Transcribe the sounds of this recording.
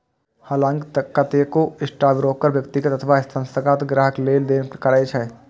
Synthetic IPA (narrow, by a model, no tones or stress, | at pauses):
haːlãːŋkt̪ɐkːɐt̪ekoɪsʈaːbɾoːkːəɾʋjɐkt̪ɪɡət̪ɐt̪ʰʋaɪst̪ʰə̃nsəkaːt̪ɡɾaːɦəkleːld̪eːnkɐɾaːet͡ʃʰɛ